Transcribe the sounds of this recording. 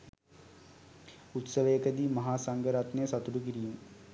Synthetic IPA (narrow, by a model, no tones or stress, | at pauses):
ut̪səʋəjəkəd̪iːmɐɦaːsaŋɡəɾat̪nejəsat̪uɖuk̬iɾijum